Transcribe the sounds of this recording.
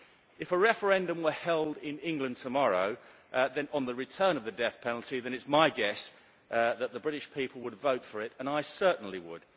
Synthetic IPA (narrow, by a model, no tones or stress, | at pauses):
ɨfəɹɛfə˞ɛ̃ndə̃mwəhɛlˠdɪ̃nɪ̃ŋɡlɨ̃ntʰəmɑɹoʊ | ðɨ̃nə̃nðəɹɨtʰɜ̃˞nʌvðɨdɛθpʰɛnl̩ˠtʰiðɨ̃ñɨtsmaɪɡɛs | ðət̪̚ðəbɹɪɾɪʃpʰipʰl̩ˠwədvoʊtfə˞ɪɾə̃naɪsɜˑ˞ʔn̩liwə̰d̥